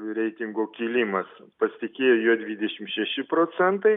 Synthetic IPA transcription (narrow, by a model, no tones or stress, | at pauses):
ɾʲɛɪt̪ʲɪŋɡoːkʲiːlʲimɐspɐsʲɪt̪ʲɪkʲeːjoːjuɔd̪ʲʋʲid̪ʲɛʃʲɪmʃʲɛʃʲɪpɾoːt͡ssʲɛnt̪ɐɪ